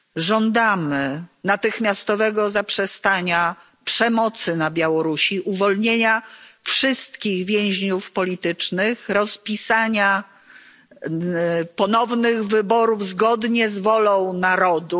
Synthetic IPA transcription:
ʐɔnd̪amɘnat̪ɘxmʲjast̪ɔvɛɡɔzapʂɛst̪aɲa | pʂɛmɔt̪sɘnabʲjawɔɾuɕiʔuvɔlɲeɲafʂɘst̪kʲiɣvʲjɛ̃w̃ʑɲufpɔlʲit̪ɘt͡ʂnɘxɾɔspʲisaɲa | pɔnɔvnɘɣvɘbɔɾuvzɡɔd̪ɲɛzvɔlɔ̃w̃naɾɔd̪u

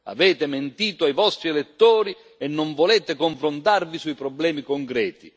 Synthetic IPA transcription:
a̰vɛːt̪ɪment̪iːt̪oajvɔst̪ɾiɛlɛt̪ːoːɾi | ɛnːɔɱvɔlɛːt̪ɪkɔɱfɾʊnt̪arvisuipɾɔblɛːmikɔŋkɾɛːt̪i

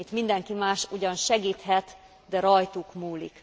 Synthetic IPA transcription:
it̪mind̪ɛŋkimaːʃuɟɒnʃɛɡiːt̪hɛt̪ | d̪ɛɾɒjt̪ukmuːlḭk

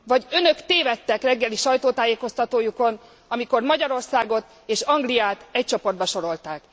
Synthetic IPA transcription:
vɒɟø̞nø̞kt̪eːvɛt̪ːɛkrɛɡːɛliʃɒjt̪oːt̪aːjeːko̞st̪ɒt̪oːjuko̞n | ɒmiko̞rmɒɟɒɾo̞rsaːɡo̞t̪ | eːʃɒŋɡlijaːt̪ɛc̚t͡ʃo̞po̞rd̪bɒʃo̞ɾo̞lt̪aːk

